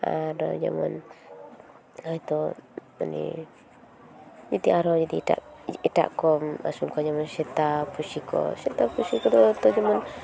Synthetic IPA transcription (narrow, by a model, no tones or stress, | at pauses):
a̰dɔd͡ʒa̰ma̰n | ait̪o | a̰nḭ | d͡ʒat̪iʔaɾɔd͡ʒad̪it̪a̰ʔit̪a̰ʔkɔma̰sunkɔd͡ʒamansɛt̪apusikɔ̰sɛt̪apusikɔt̪ot̪od͡ʒaman